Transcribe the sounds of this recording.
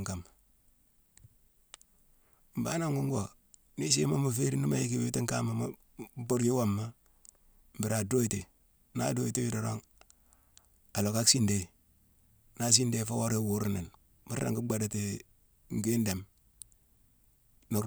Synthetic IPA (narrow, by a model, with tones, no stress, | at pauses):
ŋka˨m | m̩˨ba˦na˦ŋɡu˦ŋɡo˨ | ni˦se˦ma˦mu˨fe˦ɾi˦ni˦ma˨ji˦ki˦we˦ti˦ŋka˦ma˨ma˦ | bo˦ɾji˦wa˦mːa˦ | m̩˨bi˨ɾa˨do˦i˦te˨ | na̰˦do˦i˦te˦ji˦do˨ɾo˦ŋ | a˨lo˨ka˦ksi˦nde˨ | na˦s̬i˦nde˦fa˦wo˦ɾe˦˨wu˦ɾna˨n | mu˦ɾa̰˨ŋɡu˦ɡ͡ba˦da˨ti˨ | ŋ˨ɡi˦nde˨m | no˨